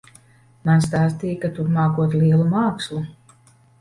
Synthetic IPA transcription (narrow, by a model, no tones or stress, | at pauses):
manst̪aːst̪iːkat̪uɾmaːkuɔt̪liɛlˠumaːkslˠu